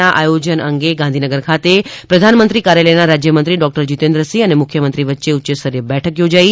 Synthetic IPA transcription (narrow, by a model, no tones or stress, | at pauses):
aʔa̰jod͡ʒənə̰ŋɡeɡãnd̪ʱinəɡəɾkʰat̪epɾəd̪ʱanmənt̪ɾikaɾjaləjnaɾad͡ʒjəmənt̪ɾiɖɔk̚ʈəɾd͡ʒit̪ẽnd̪ɾəsiənemʊkʰjəmənt̪ɾiʋətːʃeutːt͡ʃəsəɾjəbɛʈʰəkjod͡ʒai